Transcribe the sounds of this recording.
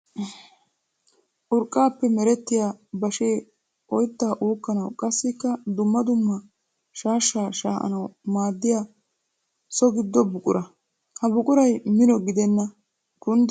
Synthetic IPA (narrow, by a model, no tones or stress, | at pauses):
ʔʊɾkʼːaːpːɛmɛɾɛt̪ːɪjaːbɐʃeː | ʔɔjt̪ːaːʔuːkːɐnɐwkʼɐsːɪkːɐd̪ʊmːɐd̪ʊmːɐ | ʃaːʃːaːʃaːʔɐ̰nɐwmaːd̪ːɪja | sɔɡɪd̪ːɔbʊkʼʊɾɐ | hɐbʊkʼʊɾɐjmɪnɔɡɪd̪ɛnːɐ | kʊn